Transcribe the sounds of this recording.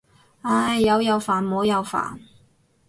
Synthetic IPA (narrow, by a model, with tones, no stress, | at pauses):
aː˧˩jːɐ˨˧wjɐ˨˧wfaː˨˩nmo˨˧˥wjɐ˨˧wfa̰ː˨˩n